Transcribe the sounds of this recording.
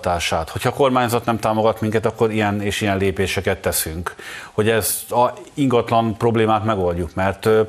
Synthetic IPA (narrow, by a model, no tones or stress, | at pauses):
t̪aːʃaːt̪ho̞cʰhɒko̞rmaːɲzɒt̪nɛmt̪aːmo̞ɡɒt̪miŋkɛt̪ɒkːo̞ɾijɛneːʃijɛnleːpeːʃɛkɛt̪ːɛsyŋkho̞ɟɛzɒiŋɡɒt̪lɒnpro̞bleːmaːt̪mɛɡo̞lɟukmɛrt̪